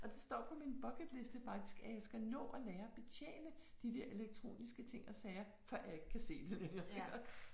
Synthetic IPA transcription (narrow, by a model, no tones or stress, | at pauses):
ʔɒ̽d̥e̝sd̥ɒ̰ːpʰɒ̽minb̥ɒ̽ɡ̥əd̥le̝sd̥əfɑ̈ɡ̥̚d̥isɡ̥æjæsɡ̥ænɔ̰̽ːʔɒleːɐɒ̽b̥e̝t͡sʰjḛːnəd̥id̥eɐʔe̝leɡ̥̚t͡sʰʁo̝̰ːnisɡ̥ət͡sʰe̝ŋ̰ɒ̽sɛːɐ | fɒjae̝ɡ̥kʰæse̝̰ːd̥enenʁeɡ̥ɐ